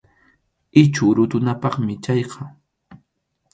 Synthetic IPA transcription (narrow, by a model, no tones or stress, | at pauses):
ɪt͡ʃʊɾʊt̪ʊnapɑχmɪt͡ʃɑjqʰɑ